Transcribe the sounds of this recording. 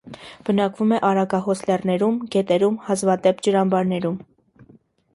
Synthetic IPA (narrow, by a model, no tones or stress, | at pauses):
b̥ənɑkvumɛʔɑɾɑɡɑɦɔslɛrnɛɾumɡɛt̪ɛɾumhɑzvɑd̪ɛpd͡ʒəɾɑmbɑɾnɛɾum